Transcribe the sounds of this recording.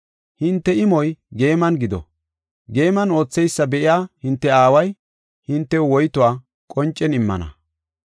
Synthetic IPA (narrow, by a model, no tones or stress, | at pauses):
hɪnt̪ːɛɪmɔjɡe̞ːmɐnɡɪd̪ɔ̰ | ɡe̞ːmɐno̞ːt͡sːɛjsːɐbɛʔɪjaːhɪnt̪ːɛaːwɐj | hɪnt̪ːɛwɔjt̪ʊwaː | kʼɔnt͡ʃʼːɛnɪmːɐ̰nɐ̰